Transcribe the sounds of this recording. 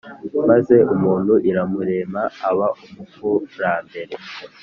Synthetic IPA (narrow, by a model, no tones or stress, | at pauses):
maze̞umuːn̥huʔiɾamuɾe̞ːmaːβaumukuɾaːmbe̞ɾe̞